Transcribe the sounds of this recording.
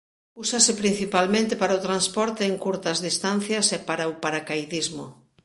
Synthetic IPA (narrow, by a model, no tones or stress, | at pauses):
usasepɾin̟θipalmẽnt̪epaɾaot̪ɾanspɔɾt̪eːŋkuɾt̪ɐzðist̪an̟θjɐsɛpaɾaopaɾakajðizmo